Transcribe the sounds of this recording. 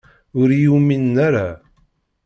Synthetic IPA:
ʊɾjuminːaɾa

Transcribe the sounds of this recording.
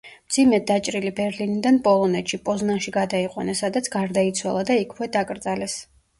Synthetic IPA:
md̪zimɛd̪at͡ʃʼɾilibɛɾlinid̪anpʼɔlˠɔnɛt̪ʃipʼɔznaʃiɡad̪aiqʼwa̰nasad̪at̪sʰɡaɾd̪ait̪sʰwalˠad̪aikʰwɛd̪akʼɾd̪zalɛs

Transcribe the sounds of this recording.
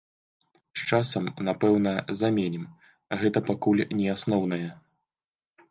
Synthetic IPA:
st͡ʂasɐmnapɛwnɐzamʲenʲɛm | ɣɛt̪ɐpakulʲnʲɛasnɔwnɐjɐ

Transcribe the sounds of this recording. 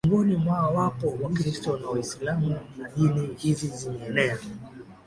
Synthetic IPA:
ŋɡɔnimwawapɔwakɾistɔnawaisilamunaɗinihiziziɲɛɛnɛa

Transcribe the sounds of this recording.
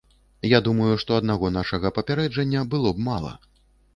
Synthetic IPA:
jad̪umɐjuʂt̪ɔɐd̪naɣɔnaʂɐɣɐpɐpʲaɾɛd͡ʐɐnʲːɐbɨlˠɔb̚malˠɐ̰

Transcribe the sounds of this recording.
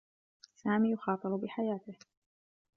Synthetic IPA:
saːmiːjʊxɑːt̪ˤɨɾʊbɪħajaːt̪ɪh

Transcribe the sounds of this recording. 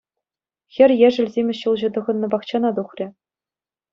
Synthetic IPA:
xʲɘ̆rʲjæ̆ʐɘ̆lʲzʲemʲɘ̆ɕɯlˠʑɤ̆t̪ɤ̆ʁɤ̆nːɤ̆bɑχt͡ɕɑnɑd̪uχrʲɘ̆

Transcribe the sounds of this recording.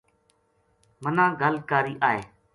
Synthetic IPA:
mənãːɡʱəlkaːɾiːʔaːɦeː

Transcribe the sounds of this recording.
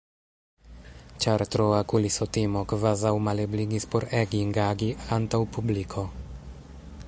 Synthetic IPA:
t͡ʃaɾt̪ɾoakulisot̪imokvazawmalebliɡispoɾeɡiŋɡaɡiantawpublikʰo̞

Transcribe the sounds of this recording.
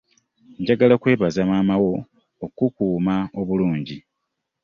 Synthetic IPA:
ɲɟaɡalakwe̞ːβazamaːmawo̞ | okukuːmao̞βuluːɲɟi

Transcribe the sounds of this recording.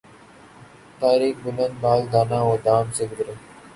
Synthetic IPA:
t̪aːɾiːkbʊlənd̪̚baːld̪aːnãːoːd̪aːmsɪɡd̪ɾe

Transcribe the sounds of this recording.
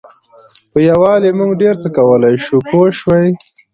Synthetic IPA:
pəjawɑlemuŋɡɖeɾt͡səkawəlajʃukoʃwaj

